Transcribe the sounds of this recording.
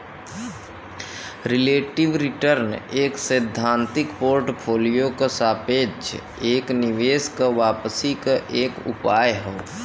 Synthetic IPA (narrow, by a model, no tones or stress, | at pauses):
ɾɪleːʈɪʋɾɪʈəɾneːksəd̪ʱːãːnt̪ɪkpoːɾʈpʰoːlijokasaːpeːd͡ʒ | eːknɪʋeːskaʋaːpəsikaʔeːkʊ̰paːjɦoː